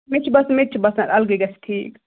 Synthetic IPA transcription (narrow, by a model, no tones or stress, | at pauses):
mit͡ʃʰubɐsmit̪̚t͡ʃʰubɐsnɐɾɐlɡiɡɐsʰʈʰiːk